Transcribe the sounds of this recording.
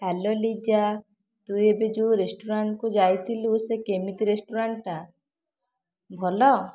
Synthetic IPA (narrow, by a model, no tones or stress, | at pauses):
ʈʰalɔlid͡ʒa | t̪ujebed͡ʒuɾesʈuɾaɳʈkud͡ʒajt̪ʰilusekemit̪iɾesʈuɾaɳʈa | bʱɔlɔ